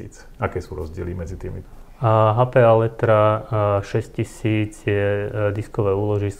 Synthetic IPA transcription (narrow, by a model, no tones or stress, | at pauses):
ḭːt͡s | akɛːsuːɾɔzɟɪɛlimɛd͡zit̪iːmi | ɦapɛalɛt̪ɾaʃɛscisiːd͡zjɛd̪iskɔʋɛːuːlɔʒis